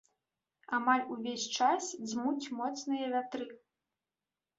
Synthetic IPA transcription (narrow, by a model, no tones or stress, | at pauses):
amalʲuvʲesʲt͡ʂasd͡zʲmut͡sʲmɔt̪snɨjɐvʲat̪ɾɨ